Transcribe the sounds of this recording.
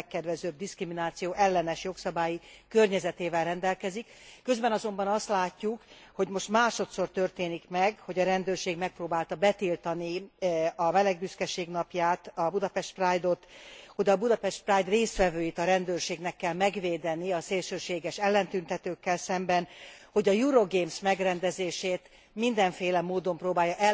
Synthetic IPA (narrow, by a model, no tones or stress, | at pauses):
kːɛd̪vɛzøːb̚d̪iskriminaːt̪sijoːʔɛlːɛnɛʃjo̞ksɒbaːjikø̞rɲɛzɛt̪eːvɛlrɛnd̪ɛlkɛzikːø̞zbɛnɒzo̞mbɒnɒst̪laːcːukho̞ɟmo̞ʃt̪maːʃo̞t̪so̞rt̪ørt̪eːnikmɛɡho̞ɟɒɾɛnd̪øːrʃeːɡmɛk̚proːbaːlt̪ɒbɛt̪ilt̪ɒniɒmɛlɛɡbyskɛʃeːɡnɒpjaːt̪ɒbud̪ɒpɛʃt̪̚praːjd̪o̞t̪ho̞ɟɒbud̪ɒpɛʃt̪̚praːjd̪reːst̪ʋɛvøːjit̪ɒɾɛnd̪øːrʃeːɡnɛkːɛlmɛɡʋeːd̪ɛniɒseːlʃøːʃeːɡɛʃɛlːɛnt̪ynt̪ɛt̪øːkːɛlsɛmbɛnho̞ɟɒjuɾoɡeːmsmɛɡrɛnd̪ɛzeːʃeːt̪ | mind̪ɛɱfeːlɛmoːd̪o̞mproːbaːjːɒʔɛ